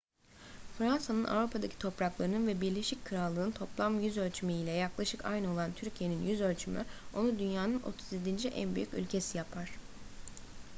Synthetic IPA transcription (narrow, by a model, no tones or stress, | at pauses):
fɾansanɯna̰vɾupʰad̪acʰi̥t̪ʰo̞pɾaklˠaɾɯnɯnvɛbiɾlʲe̞ʃic̚ʲkʰɯɾalˠːɯːnt̪ʰo̞plˠamjyzø̞lʲt͡ʃʰymiilʲɛjaklˠaʃɯka̰jnɯo̞lˠant̪ʰyɾcʰije̞ninjyzølʲt͡ʃʰymy̰o̞nud̪ynjaːnɯnʔo̞̰t̪ʰuzjed̪ind͡ʒiʔæ̰nby̰jycy̰lʲcʰe̞sijapʰaɾ̥